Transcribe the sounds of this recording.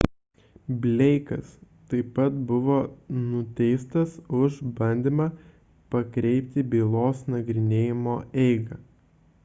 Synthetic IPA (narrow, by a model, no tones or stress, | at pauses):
bʲlʲɛɪkɐs | t̪ɐɪpːɐt̪bʊʋoːnʊt̪ʲɛɪst̪ɐsʊʒbɐnʲd̪ʲɪmɑː | pɐkɾʲɛɪpʲt̪ʲɪbʲiːlˠoːsnɐɡɾʲɪnʲeːjɪmoːɛɪɡɐ